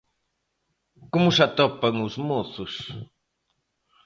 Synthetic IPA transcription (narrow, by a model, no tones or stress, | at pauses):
komʊsat̪ɔpɐŋʊzmoθʊs